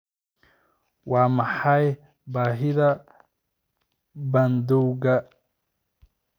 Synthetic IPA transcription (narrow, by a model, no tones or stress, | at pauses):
waːmɐħaj | baːɦɪðɐ | bɐnd̪uwɡɐ